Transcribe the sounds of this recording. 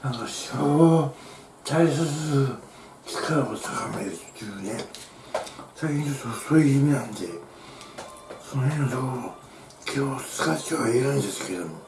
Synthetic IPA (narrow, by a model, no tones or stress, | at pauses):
nãŋkaɕoː | t̪ais̬et͡sɨ | kʲi̥kʰaɾot̪ʰakameɾɯt̪ːiɯne | saikʲĩnt͡ɕot̪ːosoːjɯimʲinãnd̪e̞ | sonohẽnsoː | kʲʰosɨ̥kaɕʲoβaiɾaĩnd̪esɨ̥ke̞d̪omo